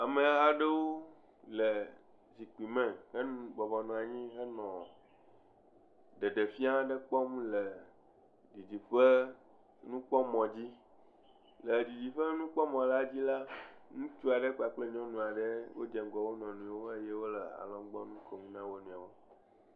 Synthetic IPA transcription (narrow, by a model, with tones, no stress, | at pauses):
a˨mẽ˨a˨ɖe˦wo˦ | lə˨ | zi˨k͡pi˨mɛ̃˨hə˦nũ˦ɡ͡bɔ˨vɔ˨nɔ̃˨a˨ɲĩ˦ɦə˦nɔ̃˨ | ɖe˨ɖe˨fi˦a˦ɖə˦k͡pɔ˦m˦lə˨ | di˨d͡ʑi˨ɸə˦ | nũ˦k͡pɔ˦mɔ̃˨d͡ʑi˦ | lə˨di˨d͡ʑi˨ɸə˦nũ˦k͡pɔ˦mɔ̃˨la˦d͡ʑi˦la˦nũ˦t͡ʃu˦a˨ɖe˦k͡pa˨k͡ple˦ɲɔ̃˦nũ˨a˨ɖe˦wo˦d͡ʒɛ˨ŋ˦ɡɔ˨wo˦nɔ̃˨nũ˨˦wo˦e˦je˦wo˦lə˨a̰˨lɔ̃˦ɡ͡bɔ˦nũ˦kɔ˨mũ˦nã˦wo˦nũ˨a˨wo˦